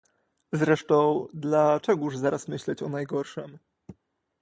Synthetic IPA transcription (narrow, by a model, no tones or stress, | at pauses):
zɾɛʂt̪ɔ̃w̃d̪lat͡ʂɛɡuʐzaɾasmɘɕlɛt͡ɕɔnajɡɔɾʂɛm